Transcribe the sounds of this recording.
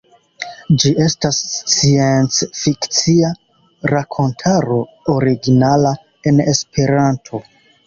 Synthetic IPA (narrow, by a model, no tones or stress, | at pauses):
d͡ʒiʔe̞stasst͡sient͡sfikt͡sia | ɾakʰo̞ntʰaɾo̞ | oɾiɡinala | e̞ne̞spe̞ɾantʰo̞